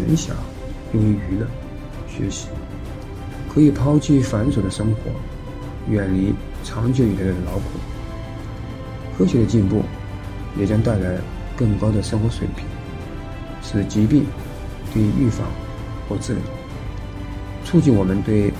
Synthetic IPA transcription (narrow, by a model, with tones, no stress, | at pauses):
ə˧˥nɕjɑ̰˨˩˦ŋ | jʊ˥˩ŋy˧˥y˧˥lə˥˧˩n˩ | ɕɥɛ̰˧˥ɕi̥˧˥ | kʰɤ˧˥i˨˩pʰɑ˥ʊt͡ɕʰi˥˩fa˧˥nʂo˨˩d̪ə˦ʂɤ˥ŋxwɔ̰˧˥ | ɥɛ˨˩nli˧˥ | ʈ͡ʂʰɑ˧˥ŋt͡ɕʰɛ˥˩lʰdə˩lɑ˧˥ʊkʰu˨˩˦ | kʰɤ˥ɕɥɛ˧˥d̪ə˧t͡ɕi˥˧npṵ˥˩ | jɛ˨˩t͡ɕjɑ˥ŋt̪a˥˩ɪla˧˥ɪ | kɤ˥˩ŋkɑ˥ʊd̪ə˨ʂɤ˥ŋxwɔ˧˥ʂwe˨˩ɪpʰi̥˨˩˦n | ʂɻ̩˥˩t͡ɕi˧˥pi˥˩ŋ | t̪i˥˧y˥˩fɑ̰˧˥ŋ | xwɔ˥˧t͡sɹ̩˥˩lḭ˨˩˦ | t͡sʰu˥˧t͡ɕi˥˩nwɔ˨˩mə˦nt̪we˥˩ɪ